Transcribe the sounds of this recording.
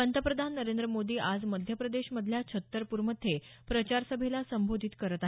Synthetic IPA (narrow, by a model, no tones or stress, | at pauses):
ənt̪əpɾəd̪ʱanːəɾend̪ɾəmod̪iːʔad͡zməd̪ʱjəpɾəd̪eɕməd̪ʱːljat͡ɕʰət̪ːəɾpuɾməd̪ʱːepɾət͡ɕaɾsəbʱelasəmbʱod̪ʱit̪kəɾət̪aɦ